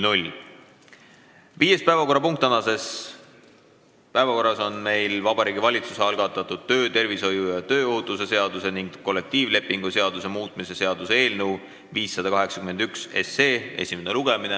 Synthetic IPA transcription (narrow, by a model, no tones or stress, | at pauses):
nulʲ | viːje̞spæevɑko̞rːɑpuŋk̚t̪ɑnɑse̞s | pæevɑko̞rːɑso̞nme̞jlvɑb̥ɑɾiːɡivɑlʲit̪suseɑlɡ̥ɑt̪ːˑɑt̪ˑud̪̥̚t̪ø̞ːt̪e̞rviso̞jujɑt̪ø̞ːoɦut̪ːˑus̬e̞se̞ɑd̪̥use̞niŋɡ̥ːo̞lːe̞k̚t̪iːvle̞pːˑiŋɡ̥use̞ɑd̪use̞muːt̪ˑmise̞se̞ɑd̪̥use̞e̞ːlnəw | viːsːɑd̪ɑkɑɦe̞ksɑ̥kymend̪ykse̞se̞ːe̞̰sʲimeneluɡ̥e̞mine